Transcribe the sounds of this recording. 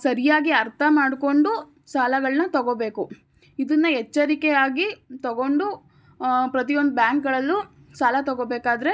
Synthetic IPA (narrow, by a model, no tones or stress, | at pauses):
sɐɾijaːɡiɐɾt̪ʰɐmaːɽko̞ɳɖu | saːlɐɡɐɭnɐt̪ɐɡobeːku | id̪ɐnːɐɦɛt͡ʃːɐɾikɛjaːɡit̪ɐɡo̞ɳɖu | pɾɐt̪ijo̞nd̪ubjaːŋkɡɐɭɐlːu | saːlɐt̪ɐɡoːbeːkaːd̪ɐɾe̞